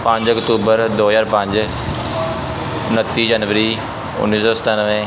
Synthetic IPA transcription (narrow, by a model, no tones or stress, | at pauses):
pãɲd͡ʒəkt̪uːbəɾd̪oːzaːɾpə̃ɲd͡ʒ | ʊnət̪ːiːd͡ʒanʋəɾiː | ʊ̰nːiːsɔːsə̥t̪aːnəʋẽː